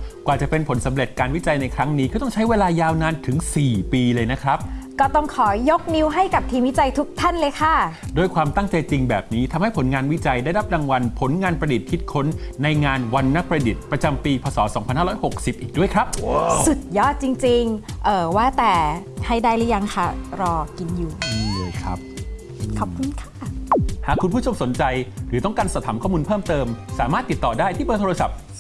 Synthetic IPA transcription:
kwaː˨˩t͡ɕa˨˩pe˧npʰo˩˦nsa˩˦mɾe˨˩t̪̚kaː˧nwi˦˥t͡ɕa˧jna˧jkʰɾa˦˥ŋniː˦˥kʰɔ˥˩t̪ɔ˥ŋt͡ɕʰa˦˥jweː˧laː˧jaː˧wnaː˧nt̪ʰɯ˩˦ŋsiː˨˩piː˧lɤː˧jna˦˥kʰɾa˦˥p̚kɔː˥˩t̪ɔ˥˩ŋkʰɔː˩˦jo˦˥k̚ni˦˥wɦa˥˩jka˨˩p̚t̪ʰiː˧mwi˦˥t͡ɕa˧jt̪ʰu˦˥k̚t̪ʰa˥˩nlɤː˧jkʰa˥˩doː˧jkʰwaː˧mt̪a˥˩ŋt͡ɕa˧jt͡ɕi˧ŋbɛː˨˩p̚niː˦˥t̪ʰa˧mha˥˩jpʰo˩˦nŋaː˧nwi˦˥t͡ɕa˧jdaː˥˩jɾa˦˥p̚daː˧ŋwa˧npʰo˩˦nŋaː˧npɾa˧di˨˩t̪̚kʰi˦˥t̪̚kʰo˦˥nːa˧jŋaː˧nwa˧nːa˦˥k̚pɾa˧di˨˩t̪̚pɾa˧t͡ɕa˧mpiː˧pʰɔː˧sɔː˩˦sɔː˩˦ŋʰa˧nhaː˥ɾɔː˦˥jho˨˩k̚si˨˩p̚ʔiː˨˩k̚du˥˩əjkʰɾa˦˥p̚su˨˩t̪̚jɔ˦˥˩t͡ɕi˧ŋt͡ɕi˧ŋʔɤː˨˩waː˥˩t̪ɛː˨˩ha˧˩jdaː˧˩jlɛː˦˥ja˧ŋkʰa˥˩ɾɔː˧ki˧njuː˨˩˧lːjkʰɾa˦˥p̚ː | kʰɔ˨p̚kʰu˧nkʰaː˥˩haː˨˩kʰu˧npʰuː˥˩t͡ɕʰo˧mso˩˦nt͡ɕa˧jɾɯː˩˦ɔ˥˩ŋkaː˧nsa˨˩t̪ʰaː˩˦mkʰɔː˥˩muː˧npʰɤː˥˩mt̪ɤː˧msaː˩˦maː˥˩t̪ːi˨˩t̪ːɔː˨˩daː˥˩jt̪ʰiː˥˩pɤː˧t̪ʰːa˧sa̰˨˩p̚

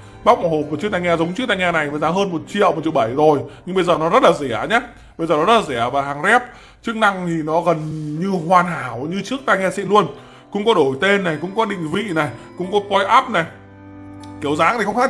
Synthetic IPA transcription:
ɓa˦˥wk͡p̚m̚˨˧˩ho˨˩p̚va˨˩t͡ɕɨ˦˥k̚t̪aː˧ŋaː˧zə˨˦wŋ͡mt͡ɕɨ˦˥k̚t̪aː˧ŋɲaː˧na˨˩jaː˨˩zaː˨˦ɦəː˧nmo˨˩t̚t͡ɕḭ˧˨ə˨wm˨˩t̚t͡ɕi˧˨˩wɓə˧˩jzo˨˩jɲɨ˧ŋɓə˧jzəː˨˩nɔ˨˦zə˦˥t̚laː˨˩zɛ˧˩˨ɲaː˦ | ɓə˧jzəː˨˩nɔ˨˦zə˦˥la˨zɛ˧˩əvaː˨˩ɦaː˨˩ŋzɛ˦˥p̚ | t͡ɕɨ˦˥ək̚na˧ŋt̪ʰi˨˩nɔ˨˦ɣə˨˩nɲɨ˧hwaː˨˩nɦaː˨˩˦wɲɨ˧t͡ɕɨ˦˥ək̚t̪aː˧jŋaː˧sḭ˧˨lu˧ən | kʊ̰˧˥ŋ͡mkɔ˨˦ɗo˧˩jt̪e˧nːa˨˩jkʊ̰˧˥ŋ͡mkɔ˨˦ɗḭ˧˨ŋ̟vḭ˧˨na˨˩jkʊ̰˧˥ŋ͡mkɔ˨˦kɔ˧jʔaː˦˥p̚na˨˩j | ki˨˦əwzaː˨˦ŋt̪ʰi˨˩xə˧ŋ͡mxaː˦˥

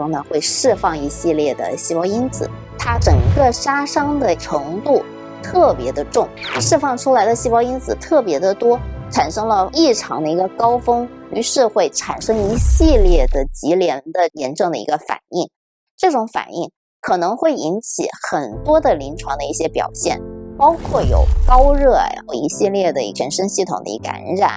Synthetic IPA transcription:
ʊ˥ŋnə˩xwe˥˧ɪʂɻ̩˥˧fɑ˥˩ŋi˧˥ɕi˥˧ljɛ˥˩d̪ə̰˩ɕi˥˩pɑ˥ʊi˥nt͡sʰɹ̩̰˨˩˦ | t̪ʰa˥ʈ͡ʂɤ˨˩ŋɡə˥˧ʂa˥ʂɑ˥ŋd̪ə˨ʈ͡ʂʰɤ˧˥ŋt̪u˥˩ | t̪ʰɤ˥˩pjɛ˧˥d̪ə˧ʈ͡ʂʊ˥˩ŋ˥ʂɻ̩˥˧fɑ˥˩ŋʈ͡ʂʰu˥la˧˥ɪd̪ə˧ɕi˥˩pɑ˥ʊi˥nt͡sʰɹ̩˨˩t̪ʰɤ˥˩pjɛ˧˥d̪ə˧t̪wɔ˥ʈ͡ʂʰa˨˩nʂɤ˥ŋlə˧i˥˩ʈ͡ʂʰɑ˧˥ŋd̪ə˧i˧˥ɡə˧kɑ˥ʊfɤ˥ŋy˧˥ʂɻ̩˥˧xwe˥˩ɪʈ͡ʂʰa̰˨˩nʂɤ˥ŋi˧˥ɕi˥˧ljɛ˥˩d̪ə˩t͡ɕi˧˥ljɛ˧˥nd̪ə˧jɛ˧˥nʈ͡ʂɤ˥˩ŋd̪ə˩ḭ˧˥ɡə˧fa̰˨˩ni˥˩ŋ | ʈ͡ʂɤ˥˩ʈ͡ʂʊ˧˥ŋfa̰˨˩ni˥˩ŋ | kʰɤ˨˩nɤ˧˥ŋxwe˥˩ɪi˧˥nt͡ɕʰḭ˨˩˥xə˨˩nt̪wɔ˥d̪ə˨li˧˥nʈ͡ʂʰwɑ˧˥ŋd̪ə˧i˥˩ɕjɛ˥pjɑ̰˨˩ʊɕjɛ̰˥˩npɑ˥ʊkʰwɔ˥˩jo̰˨˩ʊkɑ˥ʊɻɤ˥˩˧ḭ˧˥ɕi˥˧ljɛ˥˩d̪ə˩i˥˩t͡ɕʰɛ˧˥nʂə˥nɕi˥˩t̪ʰʊ˨˩ŋd̪ə̰˧ḭ˧˥əa̰˧˥˧ɻa̰˨˩˦

